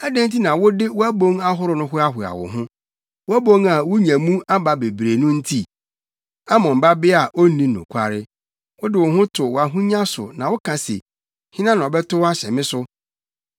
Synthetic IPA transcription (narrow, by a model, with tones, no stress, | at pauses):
ɛ˦dẽ˦n̩˦ti˦nã˨wʊ˦dɪ˦wʊ˦æ˦bõ˦ŋa˦ɦʊ˦ɾʊ˦nʊ̃˦hʊ˦a˦ɦʊ˨a̰˨wʊ̰˨ɦʊ̃˦ | wʊ˦æ˦bo˦ŋa˨wʊ˦ɲã˨mũ˦a˦ba˦be˨bɾe˨nʊ̃˦n̩˦tʰi˦ | a˦mɔ̃˨m̩˨ba˦bɪ˦a˨ʔo˦nĩ˨˦nʊ̰̃˨kʷʰa˦˨ɾɪ˦ | wʊ˦dɪ˦wʊ˨ɦʊ̃˦tʰʊ˨wa˨ɦũ˦ɲã˦sʊ̰˨nã˨wʊ˦kʰã˨sḛ˨ | hɪ̃˦nã˦nã˨ɔ˨bɛ˦tʊ˦wa˦ɕɛ˨mɪ̃˦sʊ˦